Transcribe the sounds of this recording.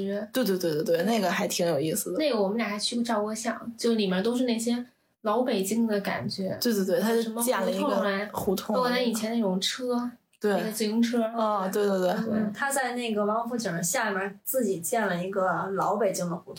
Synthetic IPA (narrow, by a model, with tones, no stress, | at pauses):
t̪we˥˧ɪt̪we˥˧tw̪wt̪we˥˩ɪna˥˩ɡə˩xa˧˥ɪt̪ʰi˧˥ŋjo˨˩ʊi˥˩s̩˩d̪ə˦ne˥˩ɪɡə˩wɔ˨˩mə˦nja˨˩xa˧˥ɪt͡ɕʰy˥˧˥ʈ͡ʂɑ˥˧ʊkɤ˥ɕjɑ˥˩ŋt͡ɕjo˥˧ʊʂ̩˧li˨˩mɛ˥˧nt̪̬o˥ʊʂɻ̩˥˧ne˥˩ɪɕjɛ˥ | lɑ˧˥ʊpe˨˩ɪt͡ɕi˥ŋd̪ə˨ka̰˨˩nt͡ɕɥɛ˧˥we˥˧ɪt̪we˥˧t̪w̪ʰa˥˧˩ʂə˧˥mə˧jɛ˥˩n˥˧˥ɡʊ˥la˧˥ɪxu˧˥t̪ʰʊ˥ŋ˥wt͡sa˥˩i˨˩t͡ɕʰjɛ˥nə˥e˥˩ʈ͡ʂʊ˨˩ŋʈ͡ʂʰɤ˥ | t̪we˥˩ɪ˥˩ə˧˩t͡sɛ˥˩ʊ˥ŋʈ͡ʂʰɤ˥ɔ˥˧˩we˥˧ɪt̪we˥˧ɪt̪we˥˩ɪ˥˧˥t̪ʰa˥t͡sa˥˧ɪne˥˩ɪɡə˩wɑ˧˥ŋ˧fu˥˩t͡ɕi˨˩ə˧˥ɕja˥˩ma˧˥t͡sɹ̩˥˩t͡ɕi˨˩t͡ɕjɛ˥˩nlə˩i˧˥ɡə˧lɑ˧˥ʊpe˨˩ɪt͡ɕi˥ŋd̪ə˨˩xu˧˥t̪ʰʊ˥